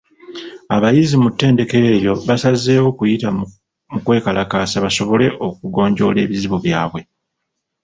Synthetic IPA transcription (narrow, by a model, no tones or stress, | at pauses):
aβajizimutːe̞ːnde̞ke̞ɾe̞ːjo̞βasaze̞ːwo̞kujita | mukwe̞ːkalʔakaːsaβaso̞βo̞le̞ʔo̞k̚uɡo̞ːɲɟo̞ːle̞ːβiziβuβjaːβwe̞